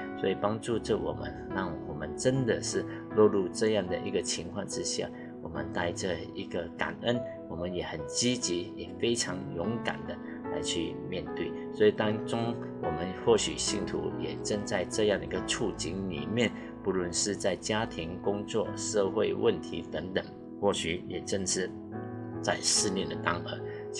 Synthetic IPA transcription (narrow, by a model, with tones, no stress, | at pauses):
swɔ˧˥i˨˩pɑ˥ŋʈ͡ʂu˥˧ʈ͡ʂə˥˩wɔ̰˨˩mə̰˦nɻɑ˥˩ŋwɔ˨˩mə˦nʈ͡ʂə˥nd̪ə˨ʂɻ̩˥˧ | lwɔ˥˧lu˥˧ʈ͡ʂɤ˥˧jɑ˥˩ŋd̪ə˩ʔi˧˥ɡə˨t͡ɕʰi˧˥ŋkʰwɑ˥˧ŋʈ͡ʂɻ̩˥ɕja̰˥˩ | wɔ˨˩mə̰˦nt̪a˥˧ɪʈ͡ʂə˧ | i˧˥ɡə˧ka̰˨˩nə˦˥n | wɔ˨˩mə˦njɛ˨˩˦xə˨˩nt͡ɕi˥t͡ɕi˧˥jɛ˨˩fe˥ɪʈ͡ʂʰɑ˧˥ŋjʊ˧˥ŋka̰˨˩nd̪ə˦ | la̰˧˥ɪt͡ɕʰy˥˧mjɛ˥˧nt̪we˥˩ɪswɔ˧˥i˨˩t̪ɑ˥ŋʈ͡ʂʊ˥ŋ | wɔ˨˩mə˧˦nxwɔ˥˩ɕy˨˩ɕi˥˩ŋt̪ʰṵ˧˥jɛ˨˩ʈ͡ʂə˥ŋt͡sa˥˧ɪʈ͡ʂɤ˥˧jɑ˥˩ŋd̪ə˨˩i˧˥ɡə˧ʈ͡ʂʰu˥˩t͡ɕi˧˥ŋlḭ˨˩mjɛ˥˨n | pu˧˥lwə˧˥nʂɻ̩˥˧t͡sa˥˩ɪt͡ɕja˥t̪ʰi˧˥ŋkʊ˥ŋt͡swɔ˥˩ʂɤ˥˧xwe˥˧ɪwʔə˥˩nt̪ʰi˧˥t̪ə˧˥ŋt̪ə˨˩ŋ | xwɔ˥˩ɕy˨˥jɛ˨˩ʈ͡ʂə˥˧nʂɻ̩˥˧ | t͡sa˥˧ɪʂɻ̩˥˧njɛ˥˩nd̪ə˨˩t̪ɑ˥ŋə˧˥